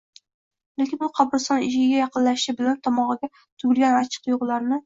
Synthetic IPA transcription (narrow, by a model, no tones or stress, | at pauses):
lekʲʰɪnbʊqʰɑpɾɨsɒnɪʃɪɪɡʲajɑqɨnlaʃɪbɪlant̪ʰɒmɒʁɑɡʲa | t̪ʰʊɡʲɪlˠɡʲanat͡ʃʰɨ̥qjoʁlˠaɾnɪ